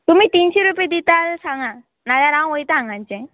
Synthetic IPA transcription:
t̪um̤it̪inɕeɾuped̪it̪asãŋɡa | nalaɾãw̃ojt̪aãŋɡãɲt͡ɕɛ̃

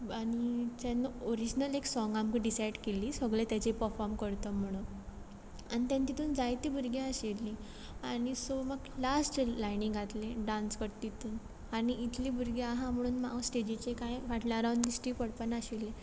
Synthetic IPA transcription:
aɽit̪janːəoɾid͡ʑnəleksɔŋɡamkiɖisajɽkeliːsəɡɭet̪jat͡ɕepəɾfɔɾmkəɾt̪əm̤əɽ̃un | añit̪jãnt̪it̪uːnd͡zajt̪iːbʱuɾɡeəɕelːi | aɽ̃isoməɡlasʈlajniŋɡʱat̪lẽɖãnskəɾt̪it̪ʰuːn | aɽ̃iʔːt̪ʰlibʱuɾɡeaɦãm̤əɽ̃uːnma̰sʈed͡ʑit͡ɕekajʋaʈljaɾawɳɖd̪isʈɾikəɽpanaɕelːe

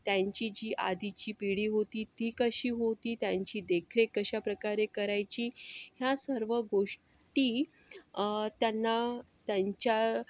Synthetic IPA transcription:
t̪jãɲt͡ɕid͡ʑiːʔa̰d̪it͡ɕiːpiɽiːɦot̪iːt̪iːkəɕiːɦot̪iːt̪jaɲt͡ɕiːd̪ekʰɾekəɕapɾəkaɾekəɾajt͡ɕiːɦjasəɾʋəɡoʂ | ʈiː | t̪janːa | t̪jaɲt͡ɕa

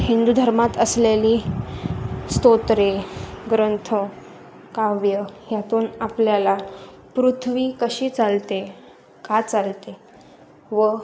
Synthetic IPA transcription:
hind̪ud̪ʱəɾmat̪əsleliː | st̪ot̪ɾeɡɾənt̪ʰo | kaʋjəjat̪uːnapljala | pɾut̪ʰʋiːkəɕiːt͡salt̪e | kat͡salt̪e | ʋə

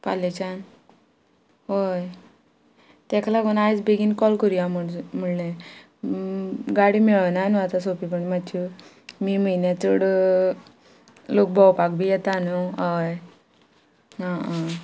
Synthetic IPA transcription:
palet͡ɕan | ɦoj | t̪ɛkalaɡunajd͡zbeɡinkɔlkuɾijamməɽle | ɡaɽimiɭənanuat̪asopipəɳmat͡ɕi | miːməjnjat͡səɽ | lok̚bʱɔwpakbʱijɛt̪anuaj | ɦãa

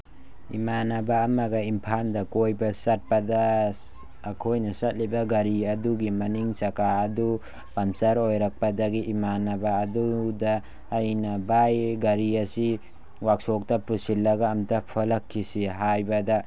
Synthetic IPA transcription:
ḭmanɐbaːmɐɡɐimpʰandɐkojbɐsɐt̚pɐdɐː | kʰojnɐsɐt̚libɐɡɐɾiɐduɡimɐniŋsɐkaɐdu | pɐmsɐɾojɾɐk̚pɐdɐɡiʔimanɐbaːdudɐː | jnɐbajɡɐɾiɐsi | wak̚sok̚tɐpɾusilːɐɡɐːmtɐpʰɐlɐkʰːisiɦajbɐdɐ

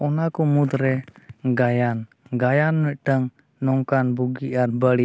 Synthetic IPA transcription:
ɔnakɔmut̪ɾɛɡajan | ɡajanːuʔʈəŋ | nɔŋkanbuɡiʔanbəli

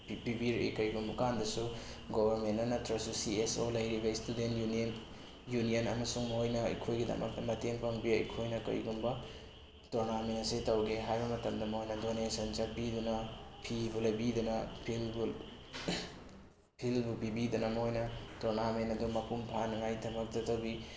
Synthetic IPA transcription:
pibiɾʔḛkɐjɡumbɐkandɐsu | ɡobɐɾmenɐnɐtɾɐsusiesolɐjɾibɐistudentjnn | junijɐnɐmɐsuŋmɐɦojnɐɐ̰jkʰojɡidɐ̰mɐ̰knɐteŋpʰaŋbiɐjkʰojnɐkɐ̰jɡumbɐ | toɾnamensetɐwɡeɦajbɐmɐtɐmdɐmɐɦojnɐdonesɐnt͡ʃapidunɐpʰibulɐjbidunɐpʰilbu | pʰilbupibidunɐmɐɦojnɐtoɾnamentɐdumɐpumpʰanɐŋajdɐmɐk̚tɐtɐwbi

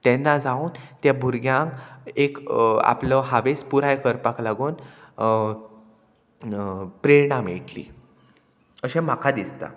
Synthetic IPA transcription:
t̪ɛnːad͡zauːnt̪jabʱuɾɡjãŋkeka̰pləɦaʋespuɾajkəɾpaklaɡuːn | pɾeɾɳameʈlḭ | əɕẽm̤akʰad̪ist̪a̰

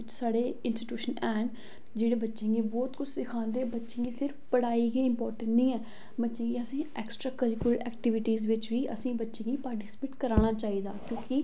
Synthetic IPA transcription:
ɪt͡ʃsaːɽeːɪnsʈɪʈjuːʃənɛːn | d͡ʒeːɽeːbətːʃẽːŋɡeːbɔːt̪kʊt͡ʃʰsɪkʰãːnd̪eːbətːʃẽːɡiːsɪɾfpəɽaːiːɡeːɪmpɔːɾʈə̃ɳʈnĩːɛː | bətːʃẽːɡeːəsĩːɛːksʈɾaːkəɾɪklɛ̰ːk̚ʈɪʋɪʈiːzʋɪt͡ʃʋiːʔə̰sĩːbətːʃẽːɡiːpaːɾʈiːspeːʈkəɾaːɽ̃aːt͡ʃaːiːd̪aːkjõːkɪ

